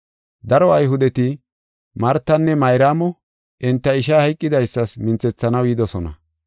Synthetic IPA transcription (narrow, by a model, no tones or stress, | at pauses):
d̪ɐɾɔɐjɦʊd̪ɛt̪ɪ | mɐɾt̪ːɐnːɛmɐjɾaːmɔ | ʔɪnt̪ːɐɪʃ̬ahɐjkʼːɪd̪ɐjsːɐsmɪnt͡sɛt͡sːɐnɐwjɪd̪ɔsɔnɐ̰